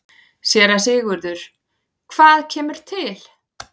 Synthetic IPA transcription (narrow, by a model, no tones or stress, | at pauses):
sjɛːɾasɪːɣʏɾðʏɾ̥ | kʰv̥aːðcʰɛːmʏɾ̥t̪ʰɪl